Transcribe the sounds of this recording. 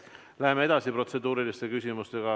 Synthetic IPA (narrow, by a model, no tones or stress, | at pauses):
læɦemee̞d̪̥ɑsipro̞t̪se̞d̪uːɾilist̪e̞kysʲimust̪e̞ɡ̥ɑ